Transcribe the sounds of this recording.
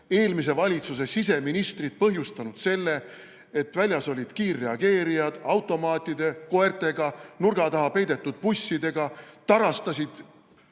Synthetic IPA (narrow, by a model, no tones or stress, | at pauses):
e̞ːlmis̬e̞vɑlʲit̪sus̬e̞sis̬e̞minist̪rid̪̥̚pɤɦjust̪ɑnud̪̥se̞lːe̞ | et̪vælʲjɑso̞lʲid̪̥kiːrːe̞ɑɡ̥e̞ːɾijɑd̪̥ɑwt̪ːˑo̞mɑːt̪ʲːˑid̪̥e̞ko̞ert̪ˑe̞ɡ̥ɑnurɡ̥ɑt̪ɑɦɑpe̞jd̪e̞t̪ːˑud̪̥̚pusʲːid̪e̞ɡ̥ɑt̪ɑɾɑst̪ɑsʲid̪̥